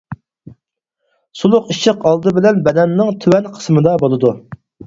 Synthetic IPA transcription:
sulˠʊqiʃʰəqɑlˠd̪ɨbɪlɛnbɛd̪ɛnːɪŋt̪ʰywɛnqʰə̥smɨd̪ɑbolˠɨd̪u

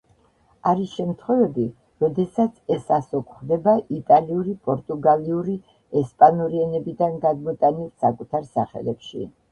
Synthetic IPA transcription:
aɾisʃɛmt̪ʰχwɛvɛbi | ɾɔd̪ɛsat̪sʰɛsasɔkʰʼχd̪ɛbaʔit̪ʼaliuɾipʼɔɾt̪ʼuɡaliuɾi | ɛspʼanuɾiɛnɛbid̪anɡad̪mɔt̪ʼanilˠsakʼut̪ʰaɾsaχɛ̰lɛpʃḭ

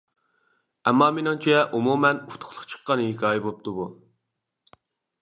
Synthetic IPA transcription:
ɛmːɑmenoŋt͡ʃʰɛʔumumɛnu̥t̪ʰʊ̥χlˠʊqt͡ʃʰə̥qːɑnhekʲʰɑːjɛbop̚t̪ʰubu

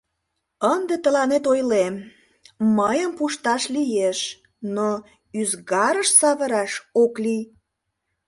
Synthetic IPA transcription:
ənd̪et̪əlɑnet̪ojlem | məjəmpuʃt̪ɑʃlijeʃ | no | yzɣɑɾəʃsɑβəɾɑʃoklij

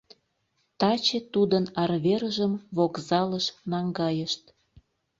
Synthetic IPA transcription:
t̪ɑt͡ɕet̪ud̪ənɑrβeɾəʒəmβokzɑləʃnɑŋɡɑjəʃt̪

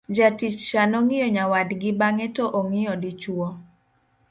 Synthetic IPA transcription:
d͡ʒatit͡ʃʃanɔŋɪjɔɲawadɡɪbaŋɛtɔʔoŋɪjɔdit͡ʃwɔ

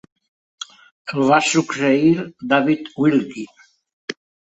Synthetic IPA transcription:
elˠβasukseiɾd̪aβit̪wilki

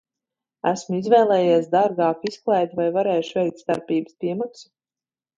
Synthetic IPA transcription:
æ̰smuizvɛːlˠɛːjaːsd̪aɾɡɑːkisklˠɛjt̪vajvaɾɛːjʃvɛjk̚t̪st̪a̰ɾpiːbə̥spʲiɛmaksu̥

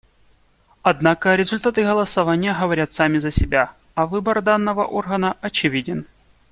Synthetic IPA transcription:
ɐd̪nakəɾʲɪzʊlʲt̪at̪ɨɣəlˠəsɐvanʲɪjəɦəvɐɾʲat̪samʲɪzəsʲɪbʲa | ɐvɨbərd̪anːəvə̰ʔorɣənəɐt͡ɕɪvʲidʲɪn

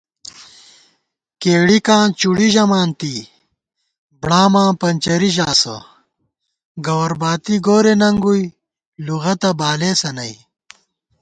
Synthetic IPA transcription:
keːɽikãːnt͡ɕuɽiʑɐmaːnt̪i | bɽaːmãːpɐnt͡ɕɐɾiʑaːsɐ̰ | ɡɐwɐɾbaːt̪iɡoːɾenɐŋɡuj | luɣɐt̪ɐbaːleːsɐnɐj

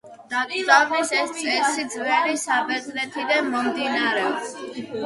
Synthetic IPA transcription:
aɔbisɛsʼsid̪zvɛlisabɛzlɛt̪ʰid̪anmɔmd̪inaɾɛɔps

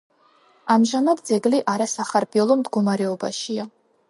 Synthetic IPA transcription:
amʒamad̪d̪zɛɡliʔaɾasaχaɾbiɔlˠɔmd̪ɡɔmaɾɛɔba̰ʃia

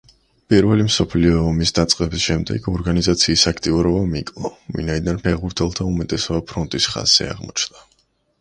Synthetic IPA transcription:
pʼiɾvɛlimsɔpʰliɔːmisd̪at̪sʼqʼɛbisʃɛmd̪ɛ̰ɡɔɾɡanizat̪sʰiːsakʰt̪ʼiuɾɔbamikʼlˠɔvḭnaid̪anpʰɛʁbuɾt̪ʰɛlˠt̪ʰaumɛt̪ʼɛsɔbapʰɾɔnt̪ʼisχa̰z̥ɛ̰a̰ʁmɔt͡ʃʰnd̪a

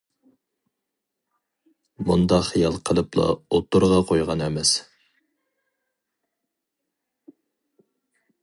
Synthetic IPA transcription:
mund̪ɑχijɑlˠqʰəlˠɨplˠɑ̰ot̪uɾʁɑqʰojʁɑnɛmɛs

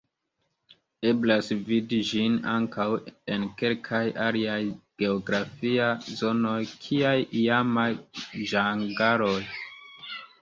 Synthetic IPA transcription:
e̞blasvidid͡ʒina̰ŋkawe̞nke̞lkʰajʔaliajɡ̥e̞oɡɾafiazo̞no̞jkʰiajiamajʒaŋɡaɾoj

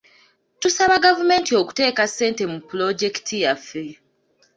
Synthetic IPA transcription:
tusaβaɡavume̞ntio̞ku̥te̞ːkasːe̞ːnte̞mupulo̞ɟe̞ki̥tʰijafːe̞

